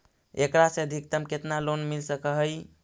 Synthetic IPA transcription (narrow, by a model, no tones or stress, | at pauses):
ḛkɾaseəd̪ʱik̚t̪əmket̪nalonmilsəkəɦəj